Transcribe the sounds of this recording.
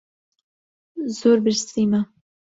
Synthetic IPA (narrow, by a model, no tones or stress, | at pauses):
zoːɾbɨɾst̪iːma